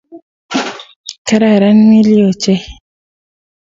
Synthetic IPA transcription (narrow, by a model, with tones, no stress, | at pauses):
ka˦ɾa˨ɾa˦nmi˦li˦o˨t͡ʃe˦